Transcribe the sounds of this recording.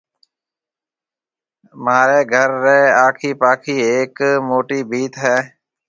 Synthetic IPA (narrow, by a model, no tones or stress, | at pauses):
maːɾeːɡʱəɾːeːaːkʰiːpaːkʰiːeːkmoːʈiːbiːt̪ɦɛː